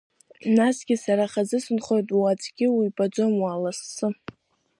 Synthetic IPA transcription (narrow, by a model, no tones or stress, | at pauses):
nasɡʲɪsaɾaχazɨsɨnχojtʼuat͡sʼɡ̥ʲɪwibʼad͡zo̞mwaːlasːɨ